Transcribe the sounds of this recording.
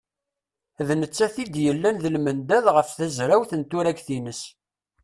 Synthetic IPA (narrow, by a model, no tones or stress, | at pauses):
ðnət͡sːæθid̪jəlːænðəlmənd̪æðʁəfθæzɾæwθənt̪ʊɾæɡθinəs